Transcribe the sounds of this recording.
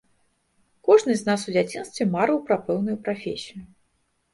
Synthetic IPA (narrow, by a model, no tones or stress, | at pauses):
kɔʐnɨznas̬ud͡zʲat͡sʲin̪st̪vʲɛmaɾɨwpɾapɛwnujupɾafʲesʲijʊ